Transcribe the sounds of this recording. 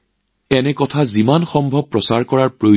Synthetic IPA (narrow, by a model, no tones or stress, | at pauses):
ɛnɛkɔtʰazimanxɔmbʱɔb̚pːɹɔsaɹkɔɹaɹpɹoj